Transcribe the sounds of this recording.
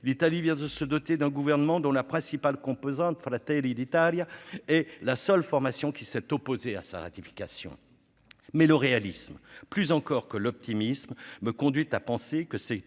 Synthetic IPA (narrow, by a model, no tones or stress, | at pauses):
lit̪alivjɛ̃d̪əsəd̪ɔt̪ed̪ɛ̃ɡuvɛʁnəmɑ̃d̪ɔ̃lapχɛ̃sipalkɔ̃pozɑ̃t̪fɾat̪ɛlid̪it̪aljaɛlasœlfɔʁmasjɔ̃kʲisɛt̪ɔpozea̰sa̰ʁa̰t̪ifi̥kasjɔ̰̃ | mɛləʁealismplyzɑ̃kɔʁkəlɔp̚t̪imismːəkɔ̃d̪ɥit̪apɑ̃sekəsɛ